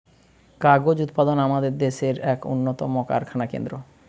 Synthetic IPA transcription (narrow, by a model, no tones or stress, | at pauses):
kaɾɡod͡ʑut̪pad̪onamad̪eɾd̪eʃeɾɛkṵnːot̪ɔmoka̰ɾkʰanakḛnd̪ɾo